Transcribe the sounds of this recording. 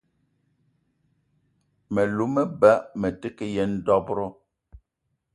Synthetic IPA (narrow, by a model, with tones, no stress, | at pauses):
mɛ˨lu˨˦mɛ˦ba˦ʔmɛ˨te˦ke˦jɛ˦n̩˦dɔ˦bɾɔ˦